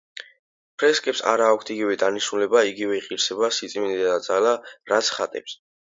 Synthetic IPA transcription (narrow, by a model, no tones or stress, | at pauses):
pʰɾɛskʼɛpsa̰ɾaːkʷʰt̪ʰiɡivɛd̪aniʃnulɛbaiɡivɛiqʼiɾsɛbasit̪sʼminid̪d̪ad̪zalaɾat̪sʰχat̪ʼɛ̰ps